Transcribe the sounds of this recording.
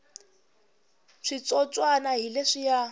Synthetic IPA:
ʂit͡sʼɔt͡sʼwanaɦileʂija

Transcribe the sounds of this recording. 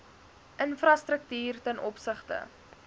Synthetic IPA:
ʔənfrɐstrək̚tiːrtənɔpsəχtə̰

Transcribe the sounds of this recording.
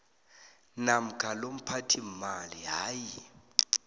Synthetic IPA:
nam̩kʰʼalom̩pʰatʰim̩maliɦaːji

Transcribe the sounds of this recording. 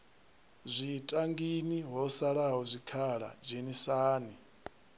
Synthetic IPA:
zʷitʼaŋɡiniɦɔsaɺaɦɔzʷikʰaɺa̰d͡ʒenisaːni

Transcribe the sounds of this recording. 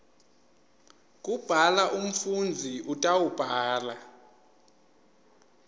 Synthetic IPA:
k̬ʼub̥ʱalaʔum̩fund͡zʱiʔutʼawub̥ʱaːla

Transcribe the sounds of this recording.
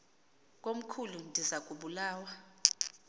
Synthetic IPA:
k̬ʼom̩kʰulundʱizak̬ʼuɓulaːwa

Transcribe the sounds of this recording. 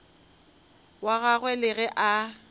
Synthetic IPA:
waɣaɣwɛlɪɣɛʔa

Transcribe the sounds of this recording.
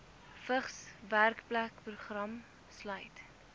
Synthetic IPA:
fəχsværkplækpruχrɐm | slœɥt

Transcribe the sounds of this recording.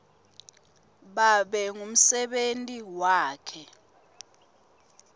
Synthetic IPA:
ɓaɓɛŋum̩sɛɓentʼiwaːkʰɛ

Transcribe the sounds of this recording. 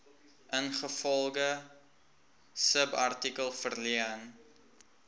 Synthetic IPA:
ʔənχəfɔlˠɡə | səbɐrtikəlˠfərliən

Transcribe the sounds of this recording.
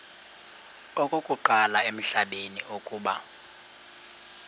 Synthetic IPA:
okʼokʼuǃalaem̩ɬaɓeniʔokʼuːɓa̰

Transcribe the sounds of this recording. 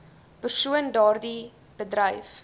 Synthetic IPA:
pərsuəndɑːrdi | b̥ədrəjf

